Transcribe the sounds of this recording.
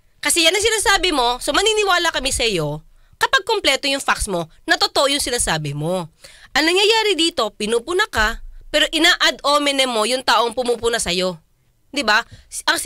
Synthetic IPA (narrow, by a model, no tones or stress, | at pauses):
kɐsɛjɐnɐŋs̬ɪnaːsaːbɪmo̞somɐniːnɪwaːlɐkɐmisɐjo̞ | kɐpaɡ̚komplɛːt̪o̞jʊŋfaksmo̞ | nɐt̪ot̪oʔojʊŋsɪnaːsaːbɪmo̞ʔɐŋnɐŋjɐjaːɾɪd̪iːt̪o̞pɪnuːpʊnɐkapɛːɾo̞ʔɪnaːʔɐd̪ʔoːmɛnɛmːo̞jʊŋt̪aːʔoŋpʊmuːpʊnɐsɐjo̞ | d̪ɪbaʔɐŋ